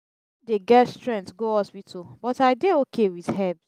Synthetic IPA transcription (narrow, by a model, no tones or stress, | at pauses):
deɡɛtstɹɛ̃ntɡoɔswitʰobɔtaɪdeokʰewiðhɛb